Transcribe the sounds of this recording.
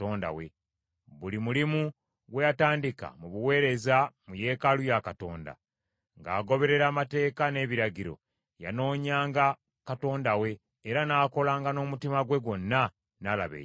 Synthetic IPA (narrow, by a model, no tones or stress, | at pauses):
oːnda̰wḛ | βulimulimu | ɡwejataːndika̰muβuwe̞ːɾe̞zamuje̞ːkalujakato̞ːnda̰ | ŋɡa̰ːɡo̞βe̞ɾe̞ɾaːmate̞ːkane̞ːβiɾaɟiɾo̞̰ | ja̰no̞ːɲaːŋɡa | kato̞ːndawe̞ː | ɾanaːko̞laːŋɡano̞ːmutimaɡwe̞ɡwo̞nːa | nala̰βḛː